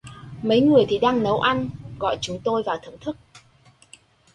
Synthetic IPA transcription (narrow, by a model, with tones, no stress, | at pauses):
mə˨˦jŋɨ˨˩əjt̪ʰi˨˩ɗaː˧ŋnə˨˦wʔa˧jnɣɔ̰˧˨jt͡ɕʊ˨˦ŋ͡mt̪o˧jvaː˨˩wt̪ʰə˨˧˩ŋ͡mt̪ʰɨ˦˥k̚